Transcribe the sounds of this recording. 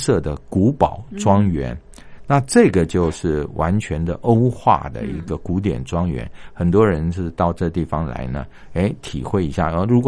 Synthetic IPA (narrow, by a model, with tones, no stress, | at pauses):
sɤ˥˩d̪ə˩ku˧˥pɑ˨˩ʊʈ͡ʂwɑ˥ŋɥɛ̰˧˥n | na˥˨ʈ͡ʂɤ˥˩ɡə˩t͡ɕjo˥˧ʊʂɻ̩˥˩wʔa˧˥nt͡ɕʰɥɛ˧˥nd̪ə˨ʔo˥ʊxwa̰˥˩d̪ə̰˩i˧˥ɡə˨ku˧˥t̪̬jɛ̰˨˩nʈ͡ʂwɑ˥ŋɥɛ̰˧˥nxə˨˩nt̪̬wɔ˥ɻə˧˦nʂ̩˥˧t̪ɑ˥˧ʊʈ͡ʂɤ˥˧t̪i˥˩fɑ˦ŋla̰˧˥ɪnə̰˧ | e˥ɪt̪ʰi˨˩xwe˥˩ɪi˧˥ɕja̰˥˩˦ɻu˧˥kw